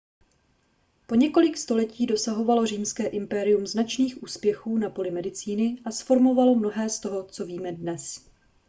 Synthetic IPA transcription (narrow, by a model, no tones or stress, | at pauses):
po̞ɲɛko̞lɪkst̪o̞lɛciːdo̞saɦo̞valo̞riːmskɛːʔɪmpɛɾɪumznat͡ʃniːxʔuːspjɛxuːnapo̞lɪmɛdɪt͡siːnɪʔasfo̞ɾmo̞valo̞mno̞ɦɛːst̪o̞ɦo̞t͡so̞viːmɛdnɛs